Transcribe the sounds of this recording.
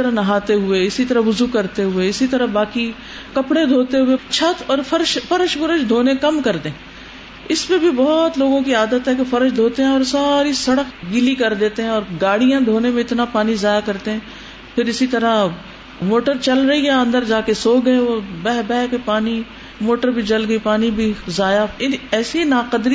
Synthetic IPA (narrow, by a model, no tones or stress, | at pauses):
əɾanɐɦaːt̪eɦʊeɪsit̪əɾəʋʊzuːkɐɾt̪eɦʊeɪsit̪əɾəbaːki | kɐpɽed̪ʱoːt̪eɦʊet͡ʃʰɐt̪ɔːɾpʰəɾʃpɐɾəʃpəɾəʃd̪ʱoːnekɐmkɐɾt̪eɦɛ̃ː | ɪspẽbʱibɔːt̪loːɡõkiaːd̪ət̪ɦɛkefɐɾəʃd̪ʱoːt̪eɦɛ̃ɔːɾsaːɾisɐɽəkɡɪlikɐɾd̪eːt̪eɦɛ̃ɔːɾɡaːɽijãd̪ʱoːnemẽɪt̪napaːnizaːjakɐɾt̪eɦɛ̃ː | pʰɪɾɪsit̪ɐɾa | moːʈəɾt͡ʃɐlɾɐiaɐ̃nd̪əɾd͡ʒaːkesoːɡəeʋobɛːɦbɛːkepaːni | moːʈəɾbʱid͡ʒɐlɡəipaːnibʱizaːjaɪɛːsinaːqəd̪ɾi